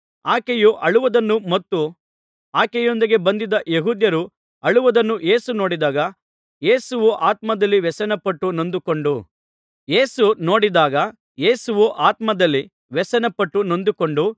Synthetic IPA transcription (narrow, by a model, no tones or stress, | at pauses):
aːkejuʔɐɭuʋɐd̪ɐnːumɐt̪ːu | aːkɛjond̪iɡe̞bɐnd̪id̪ɐʔjeɦuːd̪jɐɾu | ɐɭuʋɐd̪ɐnːujeːsuno̞ːɽid̪aːɡɐ | je̞ːsuʋuʔaːt̪mɐd̪ɐlːiʋɛsɐnɐpɐʈːuno̞nd̪uko̞ɳɖu | jeːsuno̞ːɽid̪aːɡɐ | je̞ːsuʋuʔaːt̪mɐd̪ɐlːi | ʋɛsɐnɐpːɐʈːuno̞nd̪uko̞ɳɖu